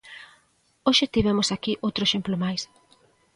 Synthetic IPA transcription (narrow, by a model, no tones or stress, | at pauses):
oʃet̪iβɛmosakiʔowt̪ɾoeʃemplomajs